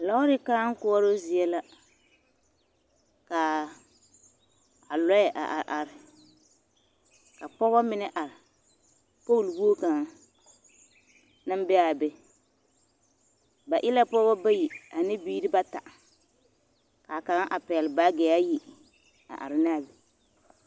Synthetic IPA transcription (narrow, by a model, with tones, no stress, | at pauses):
la˦ʊ˦ɾɪ˦ka˦ŋ̩˦kʊ˦ɔ˦ɾo˦zɪ˨ɛ˦la˦ | ka˨ | a˨lɔ˦jɛ˨ʔa̰˨ʔa˨ʔa˨ɾɪ˨ | ka˨pɔ˦bɔ˦mɪ˦nɛ˦ʔa˨ɾɪ˨ | po˦˨lwu˦o˦ka˨˦ŋ | na˦mbɛ˦a˨bɛ˦ | ba˨ʔɪ˦la˦pɔ˦bɔ˦ba˦ji˨a˨nɪ˦biː˦ɾi˦ba˦ta˨ʔ | ka˨ka˨˦ŋ˦ʔa˨pɛ˨lba˦ɡɛ˨˦a˦ji˨ | a̰˨ʔa̰˨ɾɪ˨naː˦˨bi˨